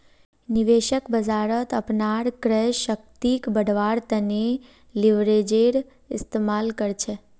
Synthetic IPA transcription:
nɪʋeʃəkbəd͡ʒaːɾət̪əpnaɾkɾɛʃək̚t̪ikbəɽʋaːɾt̪əne | lɪʋɾed͡ʒeɾ | ɪst̪eːmaːlkəɾt͡ʃʰe

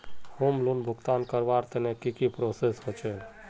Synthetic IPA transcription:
hoːmlunbʱʊkt̪aːnkəɾbaːɾt̪enekikipɾosesɦot͡ʃʰel

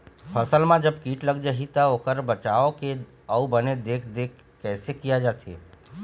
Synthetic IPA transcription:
pʰəsəlmãd͡ʒəbkiːʈləɡd͡ʒaɦit̪əoːkəɾbət͡ʃaːoke | əubəned̪eːkʰd̪eːkːɛːsekijad͡ʒaːt̪ʰḛ

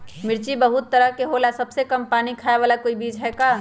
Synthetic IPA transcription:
mɪɾt͡ʃibɐɦʊt̪ːɐɾəɦkeɦoːlasɐbsekɐmpaːnikʰaːjeʋaːlakoːibiːd͡ʒɦɛːkaː

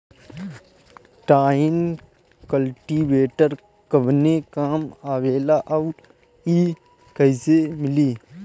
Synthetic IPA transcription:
ʈaːɪn | kəlʈiːʋeːʈəɾ | kəbnekaːmaːʋeːlaʔɐɾ | iː | kəɪsemɪliː

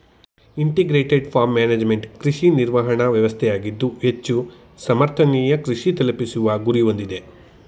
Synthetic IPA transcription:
iɳʈiɡɾeːʈeɖpʰaːɾmːaːneːd͡ʒmeɳʈkɾiʂiniɾʋɐɦɐɳɐʋjɐʋɐst̪ʰɛjaːɡid̪ːuɦet͡ʃːu | sɐmɐɾt̪ʰɐniːjɐkɾiʂit̪ɐlɐpisuʋɐɡuɾiʋo̞nd̪id̪e̞

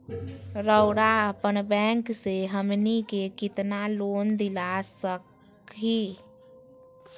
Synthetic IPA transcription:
ɾəʊɽaəpənbɛ̃ŋkseɦəmnikekɪt̪naloːnd̪ɪlasək | i

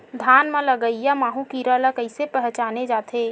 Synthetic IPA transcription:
d̪ʱaːnmẽləɡəijamaːɦũkiːɾalakəɪsepəɦt͡ʃaːned͡ʒaːt̪ʰe

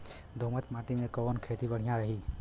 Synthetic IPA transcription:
d̪ʱomət̪mãːʈimẽkəonkʰeːt̪ibəɽ̤ijãɾəɦi

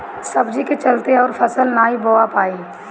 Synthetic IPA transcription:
səbd͡ʒiket͡ʃəlt̪eɔːɾfʰəsəlnaːiboːapaːiː

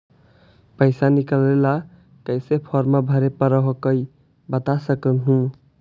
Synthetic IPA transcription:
pəjsanikəlela | kəjsepʰɔɾmabʱəɾepəɾəɦokəj | bət̪asəkənɦũ

